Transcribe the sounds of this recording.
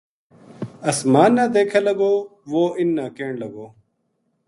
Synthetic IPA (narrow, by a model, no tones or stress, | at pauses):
ɐsmaːnːãːd̪eːkʰaːləɡoːʋoːɪnːãːkeːɳlɐɡoː